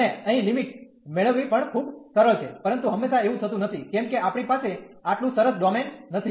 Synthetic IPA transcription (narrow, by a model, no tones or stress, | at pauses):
eəɦĩlimiʈ | meɭəʋːipəɳkʰubsəɾəɭt͡ʃʰepəɾənt̪uɦəmːeʃaeʋũt̪ʰət̪ũnət̪ʰikɛmkeʔapɳ̃ipase | aʈlũsəɾəsɖɔmenːət̪ʰi